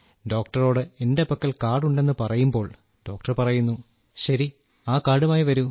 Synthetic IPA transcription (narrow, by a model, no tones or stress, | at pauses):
ɖo̞ːk̚ʈɐro̞ːɽɨendepɐkːɐɭkaːɽuɳɖe̞nːɨpɐrɐjumbo̞ːɭ | ɖo̞ːk̚ʈɐrpɐrɐjunːu | ɕɐɾi | aːkaːɽumaːjiʋɐɾu